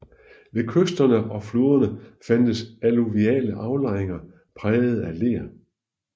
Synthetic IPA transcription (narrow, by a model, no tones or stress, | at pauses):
ʋe̝kʰøsd̥ɐnəʔɒ̽floːɐnəfænd̥əsæluʋiɛ̰ːləʔɑ̈ʊlɑ̈ɪeŋɐ | pʰʁɛːð̩ˠæle̝̰ːɐ